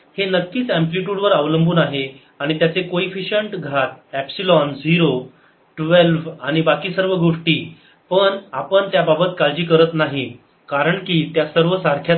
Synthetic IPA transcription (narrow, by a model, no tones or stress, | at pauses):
henəkːiːt͡sæ̃mpliʈuːɽʋəɾaʋləmbʱuːnaɦe | aɽ̃it̪jat͡sekoifiɕəɳʈɡʱat̪̚æpsilɔnd͡ziɾo | ʈʋelʋaɽ̃ibakiːsəɾʋəɡʱoʂʈiː | pəɳapəɳt̪jababət̪kald͡ʑiːkəɾət̪naɦi | kaɾəɳkiːt̪jasəɾʋəsaɾkʰja